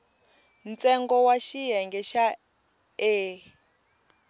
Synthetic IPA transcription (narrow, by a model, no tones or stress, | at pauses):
nt͡sʼɛŋɡɔwaʃijɛŋɡɛʃa | eː